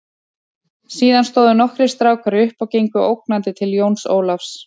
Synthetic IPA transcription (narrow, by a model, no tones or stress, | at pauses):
siːðanst̪oːwðʏnɔhkɾɪst̪ɾaːwkaɾɪʏhpawcejŋkʏʔowk̚nant̪ɪt̪ʰɪljoːwnso̰ːwlafs